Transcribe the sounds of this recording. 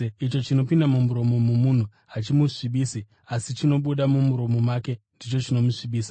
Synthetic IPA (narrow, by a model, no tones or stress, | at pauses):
it͡ʃo̞t͡ʃino̞pindamumuɾo̞mo̞momun̤u | at͡ʃimuʂiɓiːsi | asit͡ʃino̞ɓuɗamumuɾo̞mo̞mwaːke̞ndit͡ʃo̞t͡ʃino̞muʂiɓiːsa